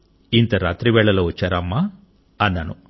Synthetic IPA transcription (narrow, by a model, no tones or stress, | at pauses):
int̪ɐɾaːt̪ɾiʋɛːɭɐlɐut͡ʃɐɾɐmːɐ | ɐnːɐnṵ